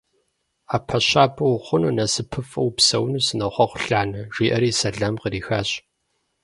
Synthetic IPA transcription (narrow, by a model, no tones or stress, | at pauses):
aːpʰɐɕaːpʰʼɐwχʷʊnɨnɐsɨpʰɨfɐwpsɐwnusɨnɐχʷɔχʷʊɬaːnɐʒ̥iːʔɐɾiːsɐɮɐmqəɾiːxaːɕ